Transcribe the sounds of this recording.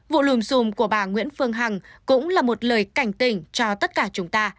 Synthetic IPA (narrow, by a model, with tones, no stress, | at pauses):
vṵ˧˨lu˨˩mzu˨˩mku˧˩əɓaː˨˩ŋwḭ˧˥ənfɨ˧əŋɦa˨˩ŋkʊ̰˧˥ŋ͡mlaː˨˩mo˨˩t̚ləː˨˩jka˧˩jŋ̟t̪ï˧˩ŋ̟t͡ɕɔ˧t̪ə˦˥t̚kaː˧˩t͡ɕʊ˨˦ŋ͡mt̪aː˧